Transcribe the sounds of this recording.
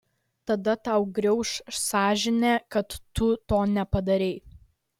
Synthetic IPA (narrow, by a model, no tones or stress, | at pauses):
t̪ɐd̪ɐt̪ɐʊɡɾʲɛʊʃsɑːʒʲɪnʲeːkɐt̪ːʊt̪oːnʲɛpɐd̪ɐɾʲɛɪ